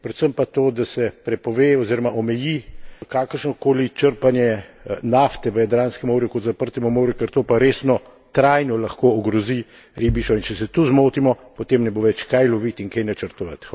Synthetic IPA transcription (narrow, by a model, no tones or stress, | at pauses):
pɾɛt̪səmpat̪oːd̪asɛpɾɛpɔʋeːɔziːɾɔmaʔɔmɛjikakəɾʃnɔkoːlit͡ʃəɾpanjɛnaft̪ɛʋəjad̪ɾaːnskɛmoːɾjukɔt̪zapəɾt̪ɛmɔmoːɾjukɛɾt̪oːpaɾeːsnɔ | t̪ɾajnɔlɐxkoːɡɾɔzi | ɾiːbiʃɔint͡ʃɛsɛt̪uzmoːt̪imɔpɔt̪emnɛboʋɛt͡ʃkajlɔʋit̪iŋkejnat͡ʃəɾt̪ɔʋat̪x